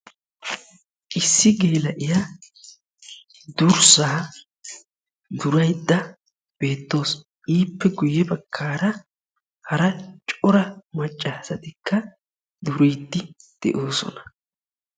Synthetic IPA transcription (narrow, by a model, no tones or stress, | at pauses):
ʔɪsːɪɡeːlɐʔɪja | d̪ʊɾsaː | d̪ʊɾɐjd̪ːɐ | b̥e̞ːt̪ːo̞ːs | iːpːɛɡʊjɛbɐkʰːaːɾɐ | hɐɾɐt͡ʃʼɔɾɐmɐt͡ʃʼːaːsɐt̪ɪkʰːɐ | d̪ʊɾijt̪ːɪd̪̥ɛ̰ʔo̞ːsɔ̰nɐ̥